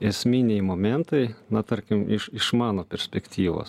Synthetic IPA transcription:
ɛsʲmʲɪnʲɛɪmoːmʲɛnt̪ɐɪnɐt̪ɐɾʲkʲɪmɪʃɪʃmɑːnoːpʲɛɾʲsʲpʲɛkt̪ʲiːʋo̰ːs

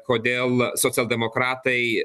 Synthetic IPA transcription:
koːd̪ʲeːlˠsoːt̪sʲɐlʲˠd̪ʲɛmoːkɾɑːt̪ɐɪ

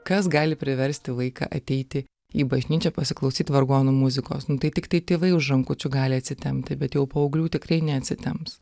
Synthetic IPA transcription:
kɐsɡɑːlʲɪpʲɾʲɪʋʲɛɾʲsʲt̪ʲɪʋɐɪkɑ̰ːʔɐt̪ʲɛɪt̪ʲɪ | iːbɐʒʲnʲiːt͡ʃʲɛpɐsʲɪklˠɐʊsʲiːt̪ʋɐɾɡuoːnʊmʊzʲɪko̰ːsnʊt̪ɐɪt̪ʲɪkt̪ɐɪt̪ʲeːʋɐɪʊʒɐŋkʊt͡ʃʲʊɡɑːlʲɪɐt̪ʲsʲɪt̪ʲɛmʲt̪ʲɪbʲɛt̪jɛʊpoːɐʊɡlʲuːt̪ʲɪkrɐɪnʲɛɐt̪ʲsʲɪt̪ʲɛmps

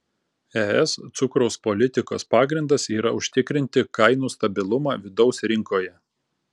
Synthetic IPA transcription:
ɛɛst̪sʊkɾɔʊspolʲɪt̪ʲɪko̰ːspɑːɡɾʲɪnd̪ɐsiːɾɐʊʃʲt̪ʲɪkɾʲɪnʲt̪ʲɪkɐɪnuːst̪ɐbʲɪlˠʊmɑːʋʲɪd̪ɒʊsɾʲɪŋkoːjɛ

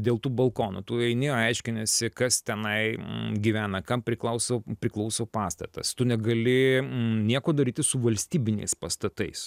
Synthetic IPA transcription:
d̪ʲeːlˠt̪uːbɐlˠkoːnṵt̪uːɛɪnʲɪːjːɐɪʃʲkʲɪnʲɛsʲɪkɐst̪ʲɛnɐɪɡʲiʋʲæːnɐkɐmpʲɾʲɪklˠɐʊsoːpʲɾʲɪklˠɐʊsoːpɑːst̪ɐ̰t̪ɐ̰st̪ʊnʲɛɡɐlʲɪnʲiɛkoːd̪ɐɾʲiːt̪ʲɪsʊʋɐlʲsʲt̪ʲiːbʲɪnʲɛ̰ɪspɐst̪ɐt̪ɐɪs

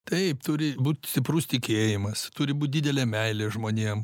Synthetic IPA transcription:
t̪ɐɪpt̪ʊɾʲɪbuːt̪ʲsʲt̪ʲɪpɾʊst̪ʲɪkʲeːjɪmɐst̪ʊɾʲɪbuːt̪̚ʲdʲiːd̪ʲɛlʲeːmʲɛɪlʲeːʒmoːnʲiɛm

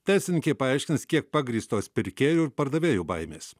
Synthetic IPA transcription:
t̪ʲæːɪsʲɪnʲɪkʲɛɪpɐɐɪʃʲkʲɪnskʲiɛk̚pɑɡɾʲiːst̪oːspʲɪɾʲkʲeːjuːɪɾpɐɾd̪ɐʋʲeːjuːbɐɪmʲḛːs

